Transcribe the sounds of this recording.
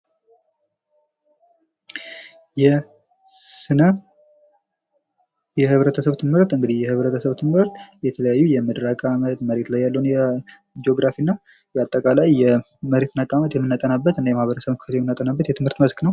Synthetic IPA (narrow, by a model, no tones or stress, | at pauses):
jɛ | sɨnə | jɛhɨβɾət̪ʰəsəβt̪ʰɨmɨɾt̪ɨŋɡɨd̪ihjɛhɨβɾət̪ʰəsəβt̪ʰɨmhɨɾt̪jɛt̪ʰələjajːujɛməd̪ɾakʼamət̪məɾe̞t̪lajːalːəwunjɛ | d͡ʒo̞ɡɾafinːa | jɛat̪ʼːəkʼalajːɛ | məɾe̞t̪nakʼamət̪jɛmːɨnːat̪ʼənabːət̪ɨnːajɛmahβəɾəsəβməkɨ̥fət̪jɛmːɨnːat̪ʼənabːət̪jɛt̪ʰɨmhɨɾt̪məsknəw